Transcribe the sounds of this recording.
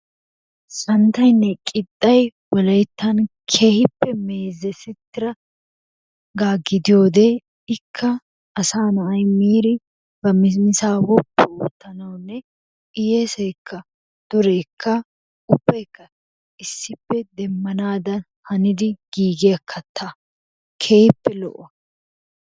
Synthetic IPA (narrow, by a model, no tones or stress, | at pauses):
sɐnt̪ɐjnːɛkʼɪt̪ʼːɐjwɐlɐjt̪ːɐnkʰe̞ːhɪpːɛme̞ːzːɛsɪt̪ːɪɾɐ | ɡaːɡːɪd̪ɪjo̞ːd̪e | ɪkʰːɐ | ʔːsaːnɐʔɐjmiːɾɪ | bɐmɪsmɪsaːwɔpːɛuːt̪ːɐnɐwnːɛ | ɪjeːsɛjkʰːɐ | d̪̥ʊɾɛkʰːɐ | ʊbːɐjkːɐ | ɪsːɪpːɛd̪ɛmːɐnaːd̪ɐn | hɐnɪd̪ɪɡ̥iːɡɪjɐkʰːɐt̪ʰːaː | kʰeːhɪpːɛlɔ̰ʔɐ